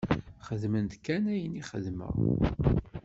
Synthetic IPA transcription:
χəðmənt̪kːænæjəniχəðmə̰

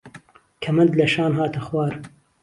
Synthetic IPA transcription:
kʰɐmɐnd̪lɐʃaːnɦaːt̪ʰɐxwaːɾ

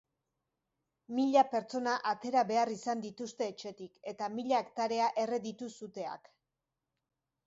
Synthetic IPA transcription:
miʎape̞ɾt͡so̞naʔat̪e̞ɾaβe̞arisand̪it̪ust̪e̞ːt͡ʃe̞t̪ike̞t̪amiʎaekt̪aɾe̞aʔe̞re̞ðit̪usut̪e̞a̰k

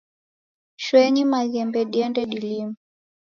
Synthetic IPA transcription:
ʃwɛɲimaɣɛmbɛɗiɛndɛɗilimu

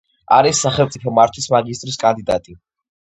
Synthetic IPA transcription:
a̰ɾisːaχɛlˠmt̪sʼipʰɔmaɾt̪ʰwismaɡist̪ʼɾiskʼand̪id̪at̪ʼi

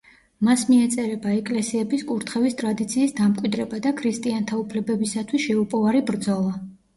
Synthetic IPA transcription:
masmiɛt̪sʼɛɾɛbaɛkʼlɛsiɛbiskʼuɾt̪ʰχɛvist̪ʼɾad̪it̪sʰiːsd̪amkʼwid̪ɾɛbad̪akʰɾist̪ʼiant̪ʰaupʰlɛbɛbisat̪ʰwisʃɛupʼɔvaɾibɾd̪zɔlˠa

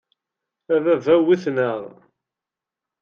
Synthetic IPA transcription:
æðævæwiθnəʁ

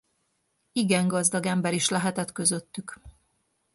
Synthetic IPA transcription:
iɡɛŋɡɒzd̪ɒɡɛmbɛɾiʃlɛɦɛt̪ɛt̪kø̞zø̞t̪ːyk

